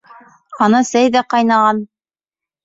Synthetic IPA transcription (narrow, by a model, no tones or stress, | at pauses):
ɑnɑsæjðæqɑjnɑʁɑn